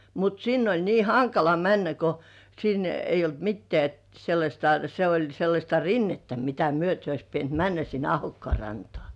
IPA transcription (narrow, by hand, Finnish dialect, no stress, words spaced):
mut sinː olʲ niː hɑŋkɑlɑ mænːæ ko sin eijˑ olt mitːĕæˑ selːɑsʲtɑ se olʲ selːɑsʲtɑ rinːetːæ mitæ myøte ois pient mænːæ sin ɑhokːŏɑˑ rɑntŏɑˑ